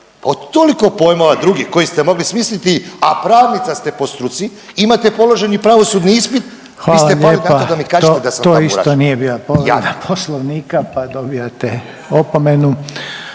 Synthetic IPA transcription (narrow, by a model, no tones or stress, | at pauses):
paod̪t̪ːo̞liko̞po̞jmoʋad̪ɾuɡixko̞jist̪e̞mo̞ɡlismislit̪iapɾaːʋnit̪sast̪e̞po̞st̪ɾut̪si | imat̪e̞po̞lo̞ʒenipɾaʋo̞sud̪niispit̪̚ | xʋaiːlat̪eʎeːaod̪amikaːʒoed̪asat̪oːisa̰onijebiːlapoa̰enapʰoslˠoʋniːkapad̪obiat̪e | opomenu